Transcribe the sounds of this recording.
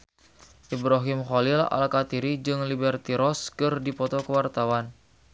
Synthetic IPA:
ʔibɾaɦɪmχɔlila̰lkat̪iɾid͡ʒɨŋlibɛrt̪iɾɔskɨrdipɔt̪ɔkəwart̪awan

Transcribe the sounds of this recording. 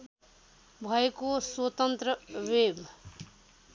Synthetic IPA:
bʱʌekoswʌt̪ʌnt̪rʌweb

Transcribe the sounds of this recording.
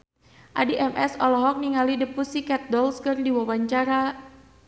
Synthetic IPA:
ʔadiʔɛmɛsɔlɔɦɔk̚niŋalidəpusikɛt̪̚dɔlskɨrdiwawaɲt͡ʃaɾa

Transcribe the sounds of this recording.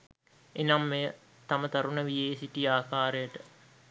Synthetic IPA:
enamːejə | t̪ɐmət̪ɐɾunəʋijeːsiʈiaːkaːɾejəʈə

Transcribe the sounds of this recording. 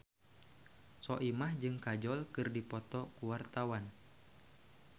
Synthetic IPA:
sɔʔimahd͡ʒɨŋkad͡ʒɔlkɨrdipɔt̪ɔkuwart̪awan

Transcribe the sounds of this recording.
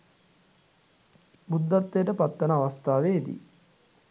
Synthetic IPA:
bud̪ːat̪ːejəʈəpat̪ːənəaʋast̪ʰaːʋeːd̪ḭ

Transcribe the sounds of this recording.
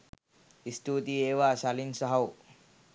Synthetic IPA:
isʈ̪ut̪ieːʋasalinsʌɦɐw

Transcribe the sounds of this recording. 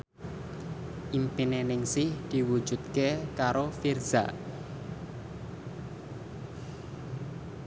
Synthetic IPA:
ʔimpinenɪŋsɪhd̪̥i̤wu̥ʒ̥ṳt̪̚kekaɾofirz̥a̰

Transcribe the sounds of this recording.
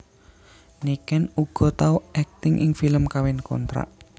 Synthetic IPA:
nikɛnuɡ̥ɔ̤t̪auʔɛk̚t̪ɪŋʔɪ̰ŋfiləmkawɛnkɔ̰nt̪ɾa̰ʔ

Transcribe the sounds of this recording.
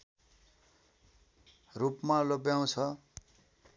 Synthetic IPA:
rupmalopjaw̃t͡sʰʌ

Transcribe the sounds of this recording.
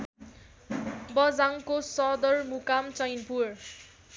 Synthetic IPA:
bʌd͡zaŋkosʌd̪ʌrmukamt͡sʌjnpur

